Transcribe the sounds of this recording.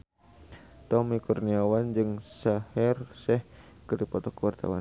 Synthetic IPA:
t̪ɔmikurniawand͡ʒɨŋsahɛrsɛhkəɾipɔt̪ɔkuwart̪a̰wa̰n

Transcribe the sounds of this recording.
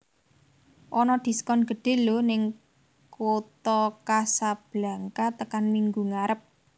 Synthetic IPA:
ʔɔnɔd̪̥i̤sə̥kɔnɡ̥ə̤ɖ̥e̤lonɪŋ | kot̪ɔkasab̥la̤ŋkat̪əkanmiŋɡuŋaɾəp̚

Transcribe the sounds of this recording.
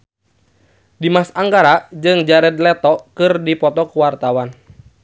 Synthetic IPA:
dimasaŋɡaɾaʔd͡ʒɨŋd͡ʒaɾɛd̪̚lɛt̪ɔkɨrdipɔt̪ɔkuwart̪awan

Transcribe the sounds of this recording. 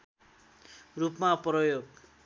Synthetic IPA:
rupmaprʌjoɡ

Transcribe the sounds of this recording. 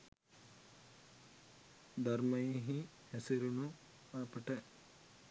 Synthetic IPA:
d̪ʱɐɾmɐjiɦi | esiɾunu | aːpɐʈe

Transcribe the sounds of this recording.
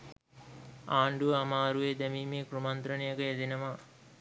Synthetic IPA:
aːɳɖuʋəamaːɾuʋeːd̪æmiːmeːkɾumant̪ɾənijəkəed̪inəʋa

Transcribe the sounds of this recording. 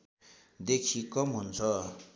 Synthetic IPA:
d̪ekʰikɔmɦunt͡sʰɔ

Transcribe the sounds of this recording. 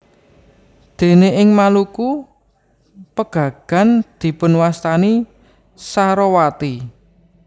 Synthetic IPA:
d̪̥e̤neʔɪŋmaluku | pəɡ̥ä̤ɡ̥a̤nd̪̥i̤pʊnwast̪ani | saɾɔwat̪i

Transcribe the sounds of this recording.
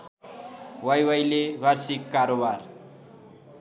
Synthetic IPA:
wajwajlebʱaɾsikːaɾobar

